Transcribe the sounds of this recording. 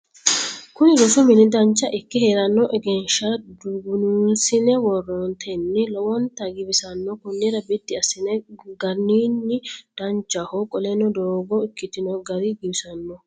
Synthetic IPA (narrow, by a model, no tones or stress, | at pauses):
kʊnɪlɔsʊmɪnɪd̪ɐnt͡ʃːɐʔɪkːɪheːɾɐnːɔʔɛɡɛnʃɐd̪uɡʊnuːnsɪnɛwɔrːɔnt̪ʰɛnːɪlɔwɔnt̪ɐɡɪbɪsɐnːɔkʊnːɛɾɐbɪd̪ːɪɐsɪnɛɡɐniːnːɪd̪̥ɐnt͡ʃːɐhɔkʼɔlɛnɔd̪oːɡɔɪkːɪt̪ɪnɔɡɐɾɪɡibsɐnːɔ